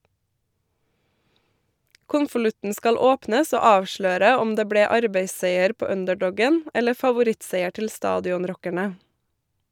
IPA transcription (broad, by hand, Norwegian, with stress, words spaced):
ˈkʊnfəˌlʉtn̩ ˈskɑl ˈoːpnəs ˈoː ˈɑːʋˌʃløːɾə ˈɔm ˈdeː ˈbɽeː ˈɑɾbeɪˌseɪəɾ ˈpoː ˈœndəˌɖɔɡən ˈɛlə fɑʋʊˈɾɪtˌseɪə ˈʈɪl ˈstɑːdɪʊnˌɾɔkəɳə